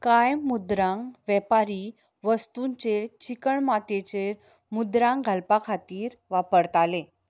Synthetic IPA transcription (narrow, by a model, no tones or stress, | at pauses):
kajmud̪ɾãŋʋjɛpaɾiː | ʋəst̪uɲt͡ɕet͡ɕikəɳmat̪et͡ɕeɾ | mud̪ɾãŋɡʱəlpakʰat̪iːɾʋapəɾt̪ale